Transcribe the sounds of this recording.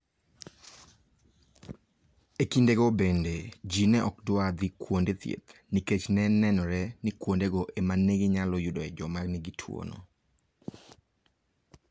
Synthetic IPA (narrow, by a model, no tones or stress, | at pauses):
ekindeɡobended͡ʒinɛʔɔkdʊad̪ikwondet̪jḛt̪niket͡ʃnɛnɛnɔɾɛnikwondeɡoʔemaneɡeɲalɔjudɔɛd͡ʒɔmarnɪɡitʰwo̰no̰